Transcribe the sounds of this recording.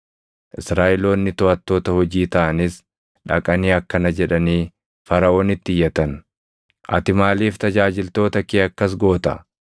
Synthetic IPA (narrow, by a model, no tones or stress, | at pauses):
ʔɪsɾaːʔɪlo̞ːnːɪt̪ɔɐt̪ːo̞ːt̪ɐhɔd͡ʒiːt̪ɐʔɐnɪs | ᶑɐkʼɐniːɐkːɐnɐd͡ʒɛᶑɐniː | fɐɾɐo̞ːnɪt̪ːɪjːɐt̪ɐn | ʔɐ̰t̪ɪmaːliːft̪ɐd͡ʒaːd͡ʒɪlt̪o̞ːt̪ɐkeːɐkːɐs̬ɡo̞ːt̪ɐ̰